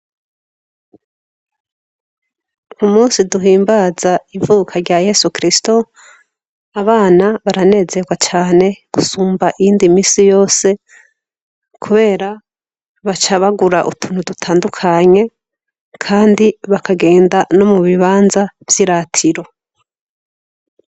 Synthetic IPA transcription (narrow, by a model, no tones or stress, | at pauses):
umuːnsiduɦiːmbazaivuːkʰaɾɟaje̞sukɾisto | aβaːnaβaɾane̞ːze̞ɡwat͡ʃaːne̞ɡ̥usuːmbaʔiiːndimiːsijo̞ːse̞ | kʰuβe̞ːɾa | βat͡ʃaβaɡuɾaʔṵtʰunudutʰaːndukʰaɲe̞ | kʰaːndiβakʰaɡe̞ːndano̞muβiβaːnzavjiɾaːtʰiɾo̞